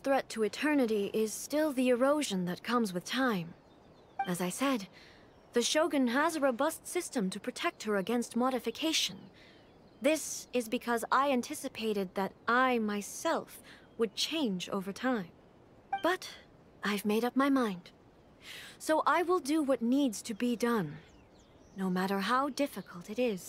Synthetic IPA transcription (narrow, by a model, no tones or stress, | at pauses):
θɹɛtʰəɨtʰɜ˞nɨɾiʔɪz̥stɪlˠðiɨɹoʊʒɨ̃nðɨt̚kʰʌ̃mzwɨð̥tʰãɪ̃m | ɨzaɪsɛd̪̚ | ðɨʃoʊɡɨ̃nəzəɹoʊbʌstsɪstə̃mtʰɨpʰɹ̥ɨtʰɛk̚t̚hə˞ɨɡɛ̃nst̚mɑɾɨfɨkʰeɪʃɨ̃n | ðɪsɪzbɨkʰʌzaɪæ̃ntʰɪsɨpʰeɪɾɨd̪̚ðɨɾʔaɪmaɪsɛlˠf | wəd̚t͡ʃʰẽɪ̃nd͡ʒo̰ʊvə˞tʰãɪ̃m | b̥ʌɾ | ʔaɪvmeɪɾʌp̚maɪmãɪ̃nd̥ | soʊʔaɪwɪlˠdɨwʌtⁿnidz̥tʰɨbidʌ̃nː | oʊmæɾə˞ɦaʊdɪfɨkʰəl̩ˠtɨɾɪz̥